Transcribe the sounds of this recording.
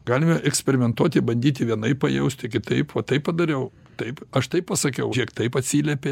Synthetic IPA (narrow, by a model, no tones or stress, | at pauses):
ɡɑːlʲɪmɐʔɛksʲpʲɛɾʲɪmʲɛnt̪uɔt̪ʲɪbɐnʲd̪ʲiːt̪ʲɪʋʲiɛnɐɪppɐjɛʊsʲt̪ʲɪkʲɪt̪ɐɪpʋɐt̪ːɐɪppɐd̪ɐɾʲɛʊ | t̪ɐɪpɐʃt̪ɐɪppɐsɐkʲɛʊiɛkt̪ɐɪpɐt̪ʲsʲiːlʲɛpʲe